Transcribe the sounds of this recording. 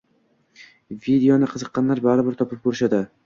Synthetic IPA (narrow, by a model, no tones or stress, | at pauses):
vid̪eonɪqʰɨzɨqːɑnlaɾbaɾɪbɪɾt̪ʰɒpɪp̚kʰoɾɪʃad̪ɪ